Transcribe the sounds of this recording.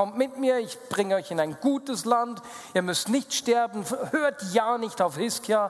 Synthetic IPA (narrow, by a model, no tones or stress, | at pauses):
ɔmtmɪtmiːɐɪçb̥ʁɪŋəɔʏçɪnaɪnɡuːtəslant | ʔiːɐmʏstnɪçtʃtɛɐbn̩høːɐtjaːnɪçtaʊfhɪskʰja